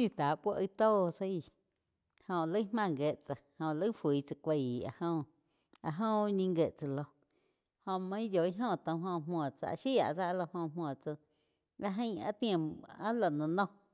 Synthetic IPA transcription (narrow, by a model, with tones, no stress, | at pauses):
ɲũ˧˨t̪a˨pʷo˦ʔə˧t̪oː˦˧sə˦i˧˨ | hõ˧ʔlə˦hmã˧˨ŋɡe˧ʔt͡sa˧˨hõ˧˨ʔlə˦fwiː˨˦t͡sa˧kʷe˧˨a̰˧˨hõ˧ | a˧ɦõ˦ɲĩ˧ŋɡe˧˨ʔt͡sa˧lo˧ | hõ˧ʔmã˧ĩ˦jo˨i˦ɦõ˦˨t̪õ˧˨ɦõ˧˨mwɔ̃˨t͡sa̰˧ʔʃi˦a̰˨ʔd̪a˦ʔlo˧hõ˧˨mwɔ̃˨t͡sə˧ | la˧ɦə̃˦˧˦a̰˦t̪j̃ã˧˨a˦la˨nã˧nõ˦